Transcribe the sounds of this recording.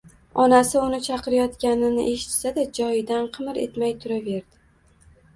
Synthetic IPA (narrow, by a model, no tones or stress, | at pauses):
ɒnasɪʊnɪt͡ʃʰɑqʰɨɾajɒt̪kʲanɪnɪ̰ʔe̞ʃɪ̥t̪sad̪ad͡ʒɒjɪd̪anqʰɨmɾe̞̰t̪majt̪ʰʊɾave̞ɾd̪ɪ